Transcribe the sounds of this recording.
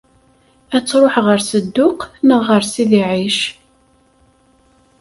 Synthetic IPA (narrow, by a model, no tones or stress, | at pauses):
æt͡sːɾˤoħʁəɾsəd̪ːʊqnəʁːəɾsiðiʕiʃ